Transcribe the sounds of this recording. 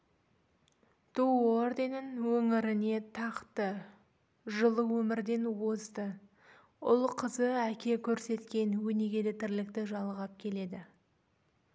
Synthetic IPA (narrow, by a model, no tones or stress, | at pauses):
t̪ʰuord̪e̞nəŋwɵŋɪɾɪne̞t̪ʰɑqt̪ə | ʒəlˠəwɵmɪɾd̪e̞nwozd̪ə | ʊlˠqʰəzəækʲe̞kʲʰɵɾse̞t̪kʲe̞nwɵne̞ɡʲed̪et̪ʰɪɾlɪkt̪ɪʒɑlˠʁɑp̚kʲʰe̞le̞d̪ɪ